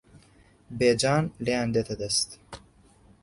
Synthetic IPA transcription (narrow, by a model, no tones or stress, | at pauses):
beːd͡ʒɑːnleːand̪et̪ʰɐd̪ɐst̪